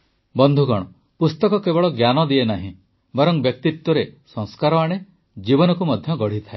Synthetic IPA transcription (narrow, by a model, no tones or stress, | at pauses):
bɔnd̪ʱuɡɔɽ̃ɔ | pust̪ɔkɔkebɔɭɔɡjanɔd̪ienaɦḭ̃ | bɔɾɔŋbjɔk̚t̪it̪wɔɾesɔ̃ŋskaɾɔaɽ̃e | d͡ʒibɔnɔkumɔd̪ʱjɔɡɔɽ̤it̪ʰae